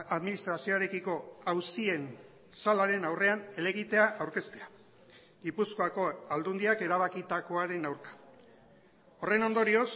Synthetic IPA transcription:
aðminist̪ɾasio̞aɾe̞kiko̞awsie̞n | salaɾe̞nawre̞ane̞le̞ɣit̪e̞aʔawɾke̞st̪e̞a | ɡipusko̞ako̞ald̪und̪iake̞ɾaβ̞akit̪ako̞aɾe̞nawɾkḁ | o̞re̞no̞nd̪o̞ɾio̞s

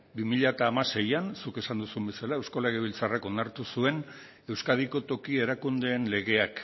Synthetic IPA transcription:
bimiʎat̪aːmase̞jansuke̞sand̪usumbe̞salaewsko̞leɣeβilt͡sarako̞naɾt̪usue̞n | e̞wskað̞iko̞t̪o̞kie̞ɾakund̪e̞ːnle̞ɣe̞ak

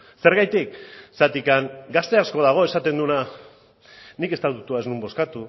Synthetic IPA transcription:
se̞ɾɣajt̪iksat̪ikaŋɡast̪e̞asko̞ðaɣ̞o̞e̞sat̪e̞nd̪una | nike̞st̪at̪ut̪uaeznumbo̞skat̪u

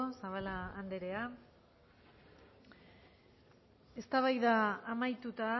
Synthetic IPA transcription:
osaβalaːnd̪e̞ɾe̞a | e̞st̪aβajðaːmajt̪ut̪a

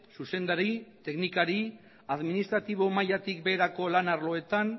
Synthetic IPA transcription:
suse̞nd̪aɾit̪e̞knikaɾi | aðminist̪ɾat̪iβ̞o̞majat̪ikbe̞ːɾako̞lanaɾlo̞e̞t̪an

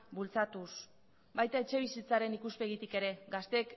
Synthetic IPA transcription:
bult͡sat̪us | bajt̪ae̞t͡ʃe̞β̞isit͡saɾe̞nikuspe̞ɣit̪ike̞ɾe̞ɡast̪e̞k

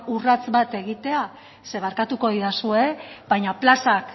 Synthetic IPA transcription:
urat͡sbat̪e̞ɣit̪e̞a | se̞β̞aɾkat̪uko̞ðiðasue̞bajɲaplasak

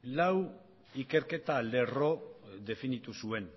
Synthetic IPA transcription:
law | ike̞ɾke̞t̪ale̞ro̞ðe̞finit̪usue̞n

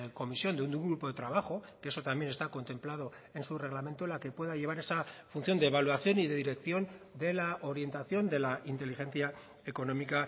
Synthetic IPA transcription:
ko̞misjo̞nd̪eund̪uŋɡɾupo̞ðe̞t̪ɾaβ̞axo̞keeso̞t̪ambje̞ne̞st̪ako̞nt̪e̞mplað̞o̞ | e̞nsure̞ɣ̞lamẽ̞nt̪olake̞pwe̞ðaʎe̞β̞aɾe̞safun̟θjo̞nd̪e̞ːβalwaθjo̞niðe̞ðiɾe̞kθjo̞nd̪e̞laʔo̞ɾje̞nt̪aθjo̞nd̪e̞laʔint̪e̞lixe̞nθja | eko̞no̞mika

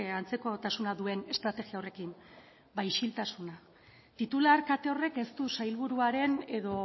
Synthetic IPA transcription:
ant͡se̞ko̞t̪asunaðue̞ne̞st̪ɾat̪e̞ɣiaore̞kim | bajʃilt̪asuna | t̪it̪ulaɾkat̪e̞o̞re̞ke̞st̪usajlβuɾuaɾe̞ne̞ðo̞

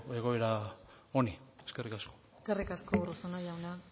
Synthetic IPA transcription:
eɣ̞o̞eɾa | onieskerikasko̥eske̞rikaskourusonojawna

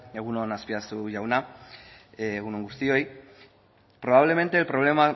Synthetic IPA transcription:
aɣunonaspiasuʝawna | aɣunoŋɡust̪ioj | pɾoβ̞aβ̞le̞ment̪e̞ːlpɾolema

